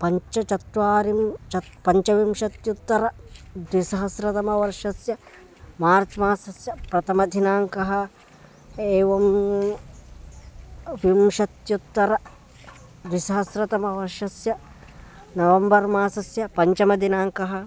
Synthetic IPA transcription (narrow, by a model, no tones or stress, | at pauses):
pɐɲt͡ʃɐt͡ʃɐt̪ʋaːɾimt͡ʃɐpɐɲt͡ʃɐʋimʃɐt̪jut̪ːɐɾɐd̪ʋisɐɦɐsɾɐt̪ɐmɐʋɐɾʃɐsjɐ | maːɾt͡ʃmaːsɐsjɐpɾɐt̪ʰɐmɐd̪ʱinaːŋkɐɦɐ | eːʋɐm | ʋimʃɐt̪jut̪ːɐɾɐ | d̪ʋisɐɦɐsɾɐt̪ɐmɐʋɐɾʃɐsjɐ | nɐʋɐmbɐɾmaːsɐsjɐpɐɲt͡ʃɐmɐd̪ʱinaːŋkɐɦɐ̆